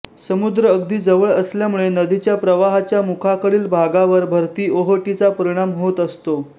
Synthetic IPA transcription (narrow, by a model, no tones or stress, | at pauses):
səmud̪ɾəːɡd̪iːd͡zəʋəɭəsljamuɭenəd̪it͡ɕjapɾəʋaɦat͡ɕjamukʰakəɭiːlbʱaɡaʋəɾbʱəɾt̪iːoɦəʈit͡sapəɾiɽ̃amɦot̪əst̪o